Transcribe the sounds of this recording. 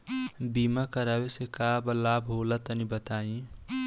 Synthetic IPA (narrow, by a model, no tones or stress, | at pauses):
bimakəɾawesekabəlabʱɦolət̪ənibət̪aːĩ